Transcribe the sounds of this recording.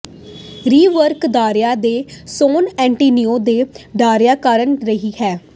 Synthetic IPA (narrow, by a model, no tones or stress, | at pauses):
ɾiːʋəɾkd̪aːɾjaːd̪eːsoːnɛ̃ːɳʈiːnioːd̪eːɖaːɾjaːkaɾənɾəɦiːhɛː